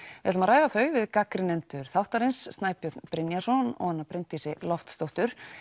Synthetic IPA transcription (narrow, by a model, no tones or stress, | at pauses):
vɪhɛt̪ʏmaɾaːjðaθœɥvɪðkakɾɪnɛnt̪ʏɾ̥θawht̪aɾɪnsːt̪naːjpjœt̪npɾɪnjasɔnɔ̰ɣhanːapɾɪnt̪isɪlɔft̪st̪owht̪ʏɾ̥